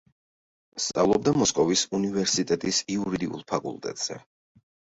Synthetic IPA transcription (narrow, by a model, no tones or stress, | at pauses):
st̪sʼa̰vlˠɔb̚d̪amɔskʼɔvisunivɛɾsit̪ʼɛt̪ʼisiuɾid̪iṵlˠpʰakʼṵlˠt̪ʼɛ̰t̪ʼz̥ɛ̰